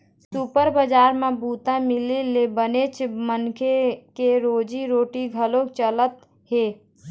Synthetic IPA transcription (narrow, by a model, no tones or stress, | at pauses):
supəɾbəd͡ʒaːɾmẽbuːt̪ãmɪlilebənet͡ʃmənkʰekeɾoːd͡ʒiɾoːʈiɡʱəlot͡ʃələt̪ | ɦeː